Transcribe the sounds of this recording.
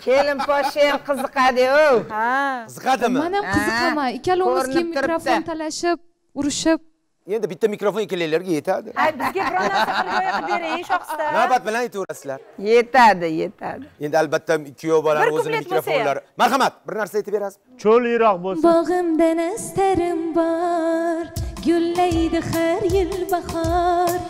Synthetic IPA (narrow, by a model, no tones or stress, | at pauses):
kʲʰelɪmpʰɒʃemqʰɨzɨqɑd̪ɪowaɨzɨqʰɑd̪ɪmmanamqʰɨzɨqʰamaɪkʲʰalɪʊmɪzkʰʲimːiɾofot̪ʰalaʃɪp̚ | ʊɾɪʃɪp̚ | end̪ɪbɪt̪ːamikɾofonkʲelːajlaɾɡʲaje̞t̪ʰad̪ɪ̰abɪzɡʲaɾaaɾjbeɾɪʃɔanabat̪̚bɪlanjet̪ʰɪwɾasɪzlaɾje̞t̪ʰad̪ɪjet̪ʰa̰d̪ɪe̞nd̪ɪalbat̪ʰːaɪkʲʰːijobɒlabɪɾozʊɪlemɪkɾɾofoajnlaɾɪmaɾɦamat̪̚bɪɾnaɾsajeɪpbeɾasɪ̥ | t͡ʃʰolijɾɒqbobɒʁɨmd̪anast̪aɾɪmbɒɾɡɵlːajd̪ɪhaɾjɪlbahɒɾ